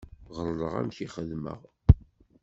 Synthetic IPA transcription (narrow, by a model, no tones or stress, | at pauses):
ʁəɾˤlˤəʁæ̰mçiχəðmə̰ʁ